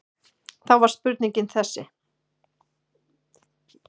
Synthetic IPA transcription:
θawvaɾ̥s̚pʏɾt̪niɲcɪnθɛsːɪ

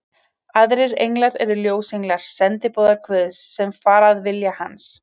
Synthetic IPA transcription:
aðɾɪɾejŋlaɾɛɾʏljoːwsejŋlaɾ̥sɛnt̪ɪpowðaɾkʰvœːðsːɛmfaːɾaðvɪljahans

